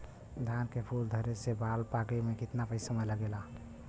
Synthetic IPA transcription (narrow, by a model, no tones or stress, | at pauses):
d̪ʱankepʰuld̪ʱəɾesebalpakemekit̪napəɪsəmələɡela